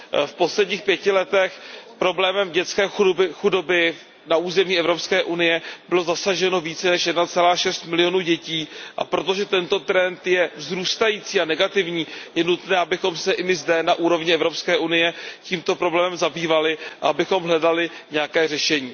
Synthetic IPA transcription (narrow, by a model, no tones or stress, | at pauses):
fpo̞slɛdɲiːxpjɛcɪlɛt̪ɛxpɾo̞blɛːmɛmɟɛt͡skɛːxudobɪ | nauːzɛmiːɛvɾo̞pskɛːʔunɪjɛb̥ɪlo̞zasaʒɛno̞viːt͡sɛnɛʃjɛdnat͡sɛlaːʃɛst̪mɪlɪjo̞nuːɟɛciːʔa̰pɾo̞t̪o̞ʒɛt̪ɛnt̪o̞t̪ɾɛnt̪jɛvzɾuːst̪ajiːt͡siːanɛɡat̪ɪvɲiːjɛnut̪nɛːabɪxo̞msɛʔɪmɪzdɛnaʔuːɾo̞vɲɪɛvɾopskɛːʔunɪjɛciːmt̪o̞pɾo̞blɛːmɛmzabiːvalɪʔa̰abɪxo̞mɦlɛdalɪɲɛjakɛːr̝ɛʃɛɲiː